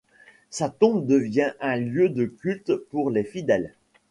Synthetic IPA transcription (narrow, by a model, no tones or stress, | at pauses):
sat̪ɔ̃bd̪əvjɛ̃ʔɛ̃ljød̪əkʲylt̪puʁlefid̪ɛl